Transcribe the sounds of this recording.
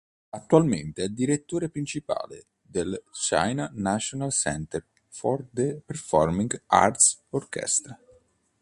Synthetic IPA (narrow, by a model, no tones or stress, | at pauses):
at̪ːualment̪eɛld̪iɾet̪ːoːɾepɾint͡ʃipa̰ːlḛ | d̪elt͡ʃa̰jnanat͡ʃːonalsɛ̰nt̪er | fɔrd̪eperfɔrmiŋɡa̰rt̪sorkɛ̰st̪ɾa